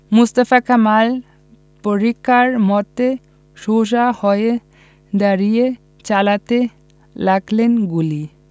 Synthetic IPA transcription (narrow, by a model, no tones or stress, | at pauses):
must̪əfakamal | pɔɾikaɾmɔt̪ːe | ʃoʃahɔje | d̪aɾije | t͡ʃalat̪e | laɡlenɡuli